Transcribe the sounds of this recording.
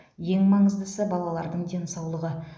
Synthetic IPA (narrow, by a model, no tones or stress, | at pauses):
je̞ŋmɑɴəzd̪əsəbɑlˠɑlˠɑɾd̪əɴd̪e̞nsɑwlˠəʁə